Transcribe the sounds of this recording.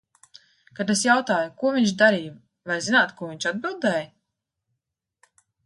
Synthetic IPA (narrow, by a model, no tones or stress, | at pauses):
kad̪esjawt̪aːjukuɔvʲiɲʲt͡ʃd̪aɾiːj | vajzinaːt̪kuɔviɲʲt͡ʃad̪̚bilˠd̪ɛːj